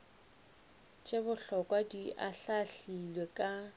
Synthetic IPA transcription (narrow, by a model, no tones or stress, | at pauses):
t͡ʃʼebʊɬɔkʼwadiʔaɬaɬilwekʼa